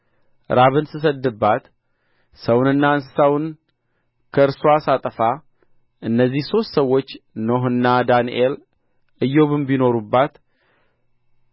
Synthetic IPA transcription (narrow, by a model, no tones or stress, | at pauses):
ɾʔaβɨnsɨs̬əd̪ːɨbːat̪ | səwnɨnːaɨnsɨ̥sawn | kʰəɨɾsoasat̪ʼəfa | ʔɨnːəzːihso̞st̪səwːo̞t͡ʃːnoɦɨnːad̪aniʔel | ɨjːoβɨmbino̞ɾubːat̪